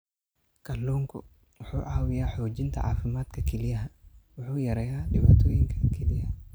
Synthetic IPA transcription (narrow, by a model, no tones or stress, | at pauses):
kʰɐluːŋkʰʊ | wʊħuːʕɑːwɪjaːħɔːt͡ʃɪnt̪ʰɐ̰ʕa̰ːfɪmaːd̪kʰɐkʰɛlɪjɐɦɐwʊħuːjɐɾɛjaːɖɪβaːt̪ʰɔːjɪŋkʰɐ̥kʰɛlɪjɐ